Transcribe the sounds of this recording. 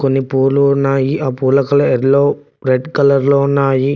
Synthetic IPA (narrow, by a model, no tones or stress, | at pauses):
konːipuːɾluunːaːjiʔaːpuːlɐkɐlɐeɾloː | ɾeɖkɐlɐɾloːunːaːji